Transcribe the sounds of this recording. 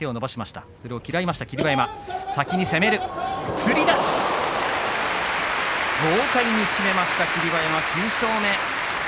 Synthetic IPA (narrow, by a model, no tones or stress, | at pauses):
e̞o̞no̞baɕimaɕi̥t̪a̰so̞ɾe̞o̞kʲiɾaimaɕi̥t̪akʲiɾʲibaemasakʲiɲ̟ise̞me̞ɾɯ̟t͡sɨɾʲid̪aɕ | ɡo̞ːkaiɲ̟ːikʲime̞maɕi̥t̪akʲiɾʲibaemakʲʰɨːɕo̞ːme̞